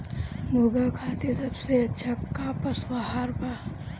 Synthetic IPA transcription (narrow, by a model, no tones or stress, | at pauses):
mʊɾɡakʰaːt̪esɐbset͡ʃʰɐkːapɐswaɦaɾpa